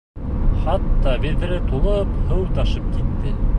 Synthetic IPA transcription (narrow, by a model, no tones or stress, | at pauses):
χɑt̪ːɑbiɾbɘ̆ɾɘt̪ulˠɤphɤwt̪ɑʃɤp̚kit̪ːɘ